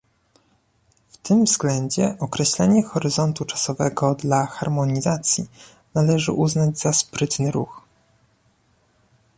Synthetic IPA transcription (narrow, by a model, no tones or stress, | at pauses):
ft̪ɘmvzɡlɛɲd͡ʑɛʔɔkɾɛɕlɛɲɛxɔɾɘzɔnt̪ut͡ʂḁsɔvɛɡɔd̪laxaɾmɔɲizat̪sʲji | nalɛʐɘ̰ʔuznad͡ʑzaspɾɘt̪nɘɾux